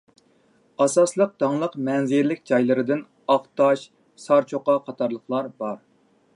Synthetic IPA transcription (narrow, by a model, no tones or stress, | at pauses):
ɑsɑslˠəq̚d̪̥ɑŋlˠəqmɛnzɪɾlɪkʲd͡ʒɑjlˠɨɾɨd̪ɪn | ɑχt̪ɑʃ | sɑɾt͡ʃʰoqɑqʰɑt̪ʰɑɾlˠəχlˠɑɾbɑɾ